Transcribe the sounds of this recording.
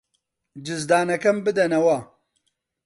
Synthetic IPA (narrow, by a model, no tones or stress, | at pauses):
d͡ʒɪzd̪aːnɐkɐmbɨd̪ɐnɐwa